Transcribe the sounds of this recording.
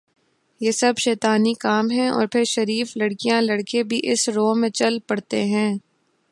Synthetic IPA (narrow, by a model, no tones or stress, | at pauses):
jeːsɐbʃɛːt̪aːnikaːmɦɛ̃ɔ̰ːɾpʰɪɾʃɐɾiːflɐɽkijãlɐɽkebʱiʔɪsɾoːmẽt͡ʃɐlpɐɽt̪eɦɛ̃ː